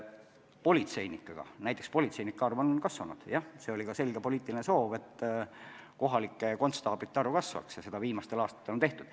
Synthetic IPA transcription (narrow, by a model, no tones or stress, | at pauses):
po̞lʲit̪se̞jnikːˑɑɡ̥ɑ̰næjt̪ːˑekspo̞lʲit̪se̞jnikˑːɑrvɑnkɑsvɑnṵd̪̥jɑhse̞olʲikɑse̞lʲɡ̥epo̞liːt̪ːˑilineso̞ːve̞t̪ː | ko̞ɦɑlikːˑeko̞nt̪st̪ɑːbit̪ːˑeɑɾukɑsvɑ̰ksjɑse̞d̪̥ɑviːmɑst̪e̞lɑːst̪ɑ̥t̪ːeont̪e̞ht̪ud̪̥